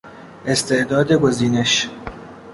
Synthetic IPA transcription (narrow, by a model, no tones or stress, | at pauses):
ʔest̪ʰe̞ʔd̪ɒːd̪e̞ɡo̞ziːneʃ